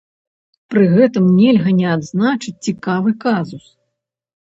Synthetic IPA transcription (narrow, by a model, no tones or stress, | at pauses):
pɾɨɣɛt̪ɨmnʲɛlʲɣɐnʲɛad̪znat͡ʂɨt͡sʲt͡sʲikavɨkazus